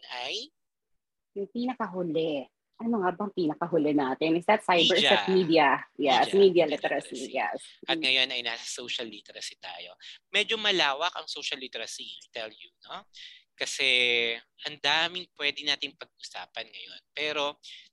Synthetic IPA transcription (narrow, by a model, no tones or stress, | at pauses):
aj | jʊŋpiːnɐkɐɦʊlɛ | ʔɐnoŋabɐŋpiːnɐkɐɦʊlɛnaːt̪ɪnʔɪsd̪ɐt̪sajbɛɹsɐt̪miːd̪iɐjɛsmiːd̪ijɐlɪt̪ɛɾɐsijɛ̰sɐt̪̚ŋɐjo̞nɐjnaːsɐ̥sowʃɐlːit̪ɛɾɐsit̪a̰ːjo̞̰mɛd͡ʒomɐlaːwɐkɐ̰ŋsowʃɐlːit̪ɛɾɐsit̪ɛljuno̞kɐsɛhɐnd̪aːmɪŋpwɛd̪ɪnaːt̪ɪŋpɐɡ̚ʔʊsa̰ːpɐnŋɐ̰jo̞npɛːɾo̞